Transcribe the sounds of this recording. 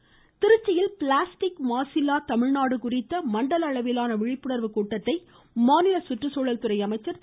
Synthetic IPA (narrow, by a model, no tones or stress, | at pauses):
t̪ɪɾɯt͡ʃːɪjɪlpɪlaːsʈɪkmaːsɪlaːt̪ɐmɪɻnaːɽɯkʊrɪt̪ːɐmɐɳɖɐlɐɭɐʋɪlaːnɐʋɪɻɪpːɯɽɐɾʋɯkuːʈːɐt̪ːɐɪ | maːnɪlɐsʊʈrɯsoːɻɐlt̪ɯrɐɪɐmɐɪt͡ʃːɐɾ